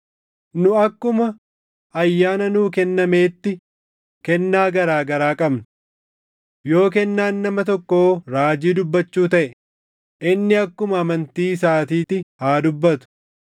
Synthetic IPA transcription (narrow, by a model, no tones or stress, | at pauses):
nʊɐkːʊmɐ | ɐjːaːnɐnuːkɛnːɐme̞ːt̪ːɪ | kɛnːaːɡɐɾaːɡɐɾaːkʼɐbnʊ | jo̞ːk̬ɛnːaːnːɐmɐt̪ɔkːoːɾaːd͡ʒiːd̪ʊbːɐt͡ʃːuːt̪ɐʔɛ | ʔɪnːɪɐkːʊmɐːmɐnt̪iːs̬aːt̪iːt̪ɪhaːd̪ʊbːɐt̪ʊ̥